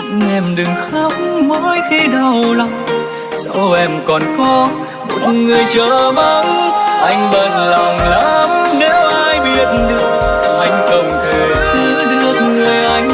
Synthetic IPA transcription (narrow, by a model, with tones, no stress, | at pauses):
ʔɛ˧˩mɗɨ˨˩ŋxə˧˥wk͡p̚mə˧˦jt̪ʰi˧ɗə˨˩wla˨˧˩ŋ͡m | sa˧wʔɛ˧˩mkɔ˨˩nkɔ˧˦ | mo̰˧˨˩t̚ŋɨ˨˩əjt͡ɕəː˧˨˩ɓa˧ŋ͡mʔa˧jŋ̟ɓə˨n̚lɔ˨˩wŋ͡mlaː˧˥m̚ne˨˦wʔaː˧jɓi˧˩ət̚nɗɨ˧˨ə | ʔa˧jŋ̟kə˨˩wŋ͡mt̪ʰə˨˩sɨ˧˦ɗɨ˧ət̚ŋɨ˨˩əjʔa˧jŋ̟